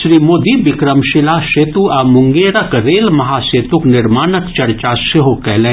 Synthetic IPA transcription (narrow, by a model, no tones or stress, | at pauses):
ʃɾiːmoːd̪ibɪkɾəmʃɪlaːʃeːt̪uamʊŋɡeːɾɐkɾeːlmɐɦaːseːt̪ʊknɪɾmaːnəkt͡ʃɐɾt͡ʃaːsɪɦokɛːleː